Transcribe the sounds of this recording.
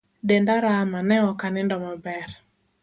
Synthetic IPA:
dɛndaɾamanɛɔkanɪndɔmɔbɛɾ

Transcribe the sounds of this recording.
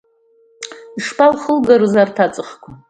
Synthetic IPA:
iʂpʰʼalχəlɡaɾozartʰat͡sʼɨχkʷʰa

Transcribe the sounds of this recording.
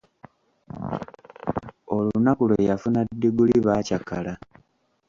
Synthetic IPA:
olunakulwejafunadːiɡuliβaːcakala

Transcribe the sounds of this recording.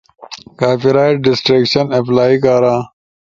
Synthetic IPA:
kaːfiɾaːjʈ̚ɖɪsʈɾekɕɐneplaːikaːɾãː

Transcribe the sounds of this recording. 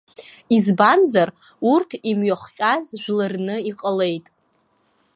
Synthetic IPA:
izbanzar | urtʰimɥoχt͡ʃʲʷʼazʒᶣlarnɨiqʼale̞jtʼ

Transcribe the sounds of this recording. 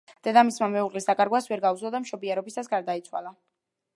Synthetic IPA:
d̪̥ɛd̪amismamɛuʁqʼlisd̪akʼaɾɡwasvɛɾɡauzlɔd̪amʃɔbiɛɾɔbisasɡaɾd̪ait̪sʰwa̰la

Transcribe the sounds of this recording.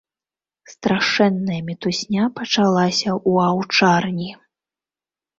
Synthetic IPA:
st̪ɾaʂɛnːɐjɐmʲɛt̪usʲnʲapɐt͡ʂalˠasʲɐʔuawt͡ʂarnʲi

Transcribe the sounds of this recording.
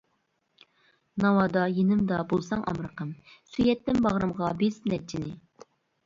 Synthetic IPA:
nɑwɑd̪ɑjenɪmd̪ɑbolˠsɑŋʔɑ̰mɾəqəmsyjɛt̪ːɪnbɑʁɾɨmʁɑbesmnɛt͡ʃʰinɪ

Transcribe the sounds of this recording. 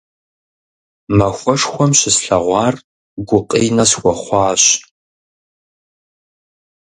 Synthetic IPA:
mɐxʷɔʂxʷɔmɕɪsɬɐʁʷɑːr | ɡʷʊqʼijnɐsxʷɔχʷɑːɕ

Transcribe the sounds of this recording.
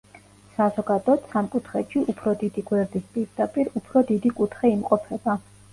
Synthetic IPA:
sazɔɡad̪ɔt̪samkʼut̪ʰχɛʃʰiʔupʰɾɔd̪id̪iɡwɛɾd̪ispʼiɾd̪apʼiɾupʰɾɔd̪id̪ikʼut̪ʰχɛimqʼɔpʰɛba

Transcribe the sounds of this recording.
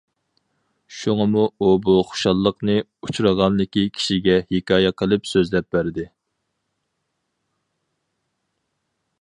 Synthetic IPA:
ʃuŋɑmuubuχo̥ʃɑlˠːəqnɨ | ut͡ʃʰuɾəʁɑnlɪkʲikʲʰi̥ʃiɡʲɛhekʲɑːjɛqʰəlˠɨpsøzlɛp̚bæɾd̪ɪ

